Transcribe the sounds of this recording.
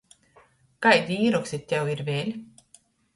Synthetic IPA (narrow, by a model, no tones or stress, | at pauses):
kajd̪ʲiiːɾɔksʲet̪ʲːɛwiɾvʲeːlʲ